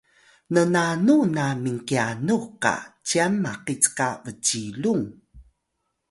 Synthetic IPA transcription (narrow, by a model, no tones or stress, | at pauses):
nənanunamiŋkianuka̰t͡ɕiamːaqit͡skavət͡ɕiluŋ